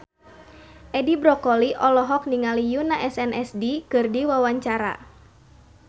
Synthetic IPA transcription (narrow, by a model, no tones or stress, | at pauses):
ʔɛdibɾɔkɔliʔɔlɔɦɔk̚niŋalijunaʔɛsɛnʔɛsdikɨrdiwawaɲt͡ʃaɾa̰